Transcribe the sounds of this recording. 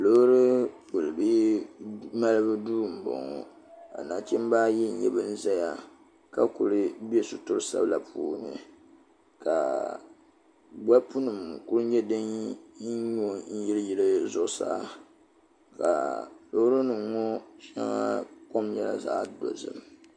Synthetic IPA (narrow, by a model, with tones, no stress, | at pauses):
lo˦ɾɨ˦pu˨lɨ˨bi˦ | ma˦lɨ˦bɨ˦duː˦˨m̩˨bɔ̰˨ŋɔ˨ | ka̰˨naː˨t͡ʃi˦m˦baː˦ji˦n̩˨ɲɛ̰˦bɨ˦n̩˦za˦ja˨ | ka˦ku˨ɾɨ˦bi˦e˦sʊ˦tʊ˦ɾsa̰˦bla˨pʰṵː˦nɨ̰˨ | ka˨ | ba˦pu˦nɨ˨m˨ku˦ɾɲɛ˦dɨ˦n˦ | ɲo˦˨n̩˦ji˦lɨ˦ji˦lɨ˦zʊ˦ʔsaː˦ | ka̰˨lo˦hɾɨ˦nɨ˨ŋɔ˦ʃa̰˦ŋa̰˦po˦mɲɛ˦la̰˨zaː˨˦do̰˨zɨ̰˦˨m